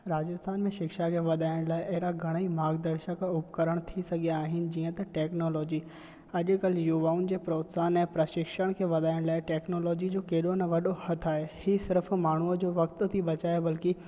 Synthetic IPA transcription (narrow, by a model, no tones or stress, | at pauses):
ɾaːd͡ʑəst̪ʰaːnmẽʃɪkʃakʰeʋɐd̪ʱaːɪɽ̃laːɪʔɐɦɾaɡʱɐɽ̃əimaːɡd̪ɐɾʃəkʊpkəɾəɽ̃t̪ʰisɐɡʱijaːɦɪnɪ̆d͡ʑiːə̃t̪ɐʈɛːknoːlɔːd͡ʑi | ɐʄkɐljuʋaːund͡ʑeːpɾoːt̪saːnɛ̃ːpɾɐʃɪkʃəɽ̃kʰeːʋɐd̪ʱaːɪɽ̃laːɪʈɛːknoːlɔːd͡ʑid͡ʑoːkeːɗonɐʋɐɗohɐt̪ʰaːɦehisɪɾfmaːɳ̤uəd͡ʑoːʋɐkt̪̆t̪ʰibɐt͡ɕaːebɐlki